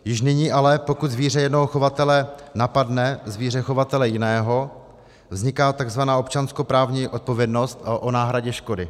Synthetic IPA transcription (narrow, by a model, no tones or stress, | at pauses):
jɪʃnɪɲiːʔalɛpo̞kut̪zviːr̝ɛjɛdnoɦoxo̞vat̪ɛlɛnapadnɛzviːr̝ɛxo̞vat̪ɛlɛjɪnɛːɦo̞ | vzɲɪkaːt̪aɡzvanaːo̞pt͡ʃansko̞pɾaːvɲiʔot̪̚po̞vjɛdno̞st̪ʔonaːɦɾaɟɛʃko̞dɪ